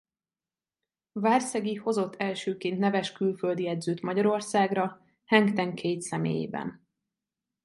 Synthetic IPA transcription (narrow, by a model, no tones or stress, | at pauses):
vaːrsɛɡiho̞zo̞t̪ʰːɛlʃøːkeːnt̪nɛvɛʃkylføld̪ijɛd̪zøːt̪mɒɟɒɾo̞rsaːɡrɒ | hɛŋkt̪ɛŋkʰeːt̪sɛmḛːjḛːbɛ̰n